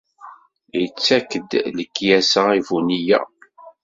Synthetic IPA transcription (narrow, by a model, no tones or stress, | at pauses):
jət͡sːækːəd̪ləkːjæsəivunijæ̰